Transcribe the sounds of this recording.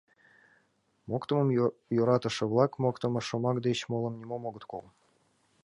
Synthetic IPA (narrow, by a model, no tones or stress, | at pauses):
mokt̪ɤ̆mɤ̆mjoɾɑt̪ɤ̆ʃɤ̆βlˠɑkmokt̪ɤ̆mɤ̆ʃŏmɑkd̪et͡ɕmolˠɤ̆mnʲimomoɡɤ̆t̪kolˠ